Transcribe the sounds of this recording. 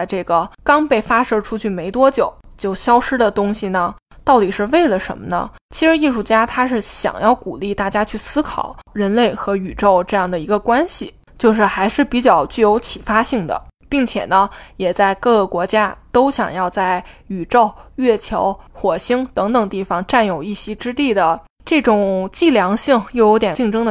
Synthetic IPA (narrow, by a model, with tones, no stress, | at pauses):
ʈ͡ʂɤ˥˩ɡə˩kɑ˥ŋpe˥˩ɪfa˥ʂɤ˥ʈ͡ʂʰu˥t͡ɕʰy˥˩me˧˥ɪt̪wɔ˥t͡ɕjo˨˩˦ʊt͡ɕjo˥˩ʊɕjɑ˥ʊʂɻ̩˥d̪ə˨t̪ʊ˥ŋɕi˨˩nə˩ | t̪ɑ˥˩ʊt̪i˨˩ʂɻ̩˥˧ʋe˥˩ɪlə˩ʂə̰˧˥nmə˧nə̰˧ | t͡ɕʰi˧˥ʂɻ̩˧˥i˥˧ʂu˥˩t͡ɕja˥t̪ʰa˥ʂɻ̩˥˩ɕjɑ̰˨˩ŋjɑ˥˩ʊkṵ˨˩li˥˧t̪a˥˩t͡ɕja˥t͡ɕʰy˥˩sɹ̩˥kʰɑ̰˨˩˦ʊɻə˧˥nle˥˩ɪxɤ˧˥y˨˩ʈ͡ʂo˥˧ʊʈ͡ʂɤ˥˧jɑ˥˩ŋd̪ə˩i˧˥ɡə˧kwa˥nɕi˨ | t͡ɕjo˥˧ʊʂɻ̩˥˩xa˧˥ɪʂɻ̩˥˩pi˧˥t͡ɕjɑ˥˩ʊt͡ɕy˥˩jo˧˥ʊt͡ɕʰi˨˩fa˥ɕi˥˩ŋd̪ə̰˩pi˥˩ŋt͡ɕʰjɛ˨˩nə˦jɛ˨˩t͡sa˥˧ɪkɤ˥˩ɡɤ˩kwɔ˧˥t͡ɕja˥t̪o˥ʊɕjɑ̰˨˩ŋjɑ˥˧ʊt͡sa˥˩ɪy˨˩ʈ͡ʂo˥˩ʊɥɛ˥˩t͡ɕʰjɑ˧˥ʊxwɔ˨˩ɕi˥ŋt̪ɤ˧˥ŋt̪ɤ˨˩ŋt̪i˥˩fɑ˩ŋʈ͡ʂa˥˩njo˨˩ʊi˥˩ɕi˧˥ʈ͡ʂɻ̩˥t̪i˥˩d̪ə˩ | ʈ͡ʂɤ˥˩ʈ͡ʂʊ˨˩ŋt͡ɕi˥˩ljɑ˧˥ŋɕi˥˩ŋjo˥˩ʊjo˧˥ʊt̪jɛ˨˩t͡ɕi˥˩ŋʈ͡ʂɤ˥ŋd̪ə˨